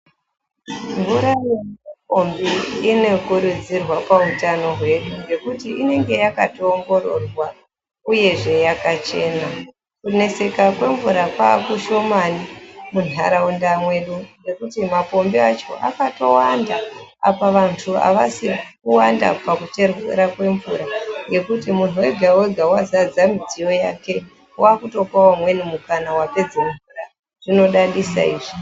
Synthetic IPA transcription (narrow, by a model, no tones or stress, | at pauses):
ɱvuɾajeap̚o̞mbiːne̞kuɾud͡zirwapautano̞ɦwe̞ɗuŋɡe̞kutiʔine̞ŋɡe̞jakatoːŋɡo̞ɾo̞̰rwa | uje̞ʐe̞jakat͡ʃe̞ːna | kune̞se̞kakwe̞ɱvuɾapakuʃo̞manimun̤a̰ɾaundamwe̞ɗuɡe̞kutimapo̞mbiat͡ʃo̞̰ʔa̰kato̞wandaa̰paʋantʰua̰ʋasikuwanda̰pakut͡ʃe̞rwḛɾakwe̞ɱvuɾaŋɡe̞kutimun̤uwe̞ɡʱaweɡʱawazad͡zamid͡zijo̞jake̞ | waːkuto̞kawamwe̞nimukanawape̞d͡zeɱvura | ʐ̥ino̞ɗaɗisa̰iːʐi